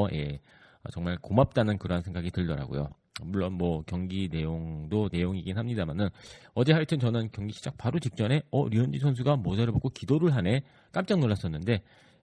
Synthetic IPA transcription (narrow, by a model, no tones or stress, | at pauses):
je̞̰ | ʌt͡ɕʌŋmaɭkomap̚t͈anɯnkɯɾʌɦansʰe̞ŋɡaɡitɯɭdʌɾa̰ɡo̰jo̰ | muɭːonmwʌkjʌŋɡine̞joŋdone̞joŋiɡinɦamɲidamanɯnʌd͡ʑe̞ɦaɭtʰɯnt͡ɕʌnɯnkjʌŋɡiɕʰid͡ʑak̚paɾot͡ɕik̚t͡ɕ͈ʌne̞ʌ̰ɾiʌnd͡ʑisʰʌns̬ʰuɡamʌd͡ʑaɾɯɭboɡokidoɾɯɭɦane̞ | k͈amt͡ɕ͈ʌŋnoɭːas͈ʌnːɯnde̞